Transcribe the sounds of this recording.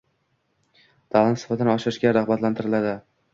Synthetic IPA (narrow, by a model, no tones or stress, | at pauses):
d̪̥ʰalˠant̪sɪ̥fat̪ʰɪnɪɒʃɪɾɪʃɡʲaɾɑhbat̪lant̪ʰɪɾɪlad̪ɪ